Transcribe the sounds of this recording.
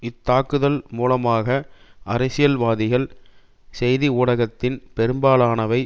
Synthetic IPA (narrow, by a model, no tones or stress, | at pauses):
ɪt̪ːaːkɯðɐlmuːlɐmaːɣɐʔɐɾɐɪsɪjɐlʋaːðɪɣɐɭ | sɛjðiuːɽɐɣɐt̪ːɪnpɛɾɯmbaːlaːnɐʋɐɪ